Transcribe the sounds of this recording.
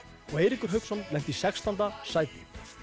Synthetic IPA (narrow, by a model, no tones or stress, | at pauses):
ɔɣejɾikʏɾ̥ɦœɥksɔnlɛn̥t̪isɛkst̪ant̪asaːjpɪ̰